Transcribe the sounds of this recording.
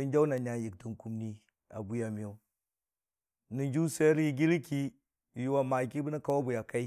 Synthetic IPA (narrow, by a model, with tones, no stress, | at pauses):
i˦nd͡ʒa˦wna˨na˨ji˨k̚du˨nku˦mni˦ | a̰˨bu˨ja˨mi˨o˨ | ni˨nd͡ʒu˦se˦ɾji˨ɡi˦ɾi˦ki˦˨ | ju˦wa˨ma˨ki˦bu˦na˦ka˦wa˦bu˨ja˨ka˦i˦